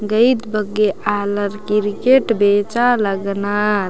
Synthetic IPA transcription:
ɡəit̪bəɡealəɾkiɾkeʈbet͡ʃaləɡna

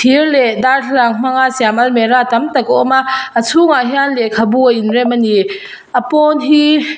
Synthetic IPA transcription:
tʰiɾledaɾtʰlaŋm̥aŋasiamɐlmeɾatɐmtɐkɔɔmaːsʰuŋaɦianlekʰabuajinɾemɐni | ɐpɔnɦi

